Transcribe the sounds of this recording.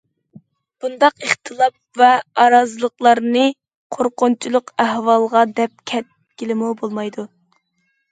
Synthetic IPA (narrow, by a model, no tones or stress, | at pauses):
b̥und̪ɑqəχt̪ʰɨlˠɑp̚vɛɑɾɑzɨlˠəqlˠɑɾnɨ | qʰoɾqʊnt͡ʃʰilˠʊqæhwɑlˠʁɑd̪ɛp̚kʲʰɛt̪̚ | ɡʲilɪmubolˠmɑjd̪u